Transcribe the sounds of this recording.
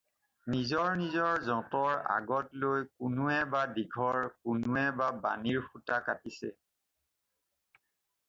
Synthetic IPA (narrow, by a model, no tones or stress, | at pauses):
nizɔɹnizɔɹzɔ̃tɔɹa̰ɡɔtlojkʊnuɛbadiɡʱɔɹkʊnʊɛbaba̰niɹxutakatisɛ̰